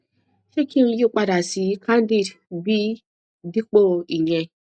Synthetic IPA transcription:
ʃe˦ki˦ŋ˦ju˦˨k͡pa˦da˨si˨˦kʰa˦n˦di˦˨dbi˦ | di˦k͡po˦˨i˨ɲɛ˦

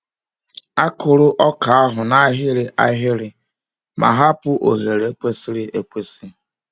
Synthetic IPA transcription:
a˦kʊ˨ɾʊ˦ʔɔ˦ka˨a˦ɦʊ˨na˦ɦɪ˦ɾɪ˨ʔa˦ɦɪ˦ɾɪ˨ | mʔa̰˨ɦa˦pʊ˦ʔo̰˨ɣe˨ɾe˨e˦kʷe˦si˦ɾɪ˦ʔe˨kʷe˦si˦

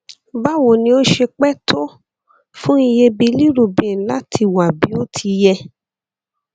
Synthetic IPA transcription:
ba˦wo˨nĩ˧˦o˦ʃe˧k͡pɛ˦tʰo˦ | fũ˦i˧je˧bi˧li˦ɾu˦˨bĩ˨la˦tʰi˧wa˨bi˨˦o˦tʰi˧jɛ˧

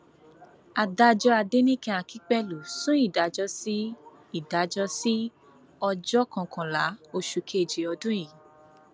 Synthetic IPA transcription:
a˨da˧d͡ʒɔ˧a˧de˦nĩ˦kɛ̃˧a˧˨ki˦k͡pɛ˦lu˨sũ˦i˦˨da˨˦d͡ʒɔ˧˦si˦ | i˦˨da˨˦d͡ʒɔ˦si˦ | ɔ˧d͡ʒɔ˦kã˧˨kʰã˨la˨˦o˧ʃu˨˧kʰe˦˨d͡ʒi˨˦ɔ˧dũ˦jĩ˨

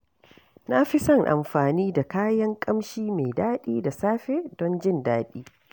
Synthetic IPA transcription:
na˦ɸɪ˦sɐ˦˨ŋʔa̰˨mɸaː˨niː˦da˨kaː˦jɐ˦ŋkʼɐ˦mʃiː˦me˨jdaː˦ɗiː˦da˨saː˦ɸeː˦dɔ˦nd͡ʒɪ˦˨ndaː˦ɗiː˦

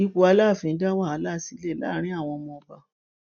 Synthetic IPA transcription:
ĩ˦ko˧˦a˧la˦˨fĩ˨˦da˦wa˦˨a˨˧˦la˦˨si˨˦lɛ˦˨la̰˦˨ɾ̃ĩ˦a˦˨w̃ɔ̃˧mɔ̃˧ba˧

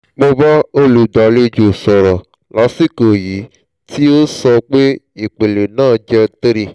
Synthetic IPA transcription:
k͡po˧ba˦o˦lu˨da˨le˦d͡ʒo˨sɔ˨ɾɔ˨ | la˨˦si˦ko˨ji˨˦ | ti˦o˦sɔ˧k͡pe˦i˨k͡pe˨le˨nãː˦˨d͡ʒɛ˧t̪e˦ɾi˨

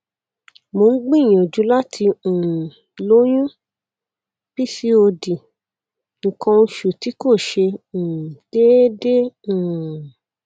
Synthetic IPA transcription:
mo˧n̩˦ɡ͡bĩ˦˨j̃ɔ̃˨d͡ʒu˨˦la˦tʰĩ˧˨ | lo˦j̃ũ˦ | b̥i˦si˦o˧di˨ | ŋ̩˨kã˧ʃu˨ti˨˦ko˦˨ʃẽ˧˨ | d̥e˦de˦ũ˨

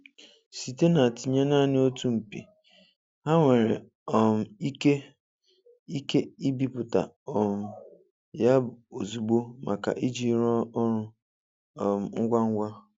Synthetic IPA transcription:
si˨te˦na˨ti˨ɲa˦na˦˨nɪ˦o˦tu˦m̩˨pḭ˨ | ha˦ŋʷe˨ɾḛ˨ | ɔ˨m̩˨i˦ke˦ | i˦ke˦i˦bi˦pʊ˨ta̰˨ | ɔ˨m̩˨ | ja˦o˨zu˨ɡ͡bo˦mʔa̰˨ka̰˨ʔi˦d͡ʒi˦ɾɔ˦ɾʊ˦˨ | m̩˨ŋ̩˦ɡʷa˦ŋ̩˦ɡʷa˦

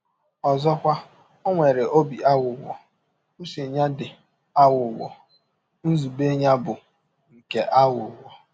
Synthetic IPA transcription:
ɔ˨zɔ˦kʷa˦ | o˦ŋʷe˨ɾe˨ʔo˦bi˨a˦wʊ˨wɔ̰˨ | u˦se˨ɲa˦dɪ˨ | a˦wʊ˨wɔ̰˨ | n̩˦zu˨be˦ɲa˦bʊ˨ | ŋ̩˨ke˦ʔa˦wʊ˨wɔ˨

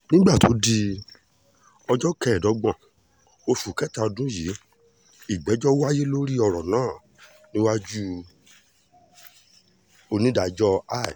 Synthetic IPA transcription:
nĩ˦ɡ͡ba˦˨to˨˦di˧ | ɔ˧d͡ʒɔ˦kɛ˦˨dɔ˨˦ɡ͡bã˨ | o˧fu˨kɛ˦ta˧dũ˦ji˨˦ | i˨ɡ͡bɛ˨˦d͡ʒɔ˦wa˦je˦lo˦ɾi˦ɔ˧ɾɔ˨nãː˦˨ | nĩ˦wa˦d͡ʒu˦ | o˧nĩ˦da˨d͡ʒɔ˦a˦˨i˨

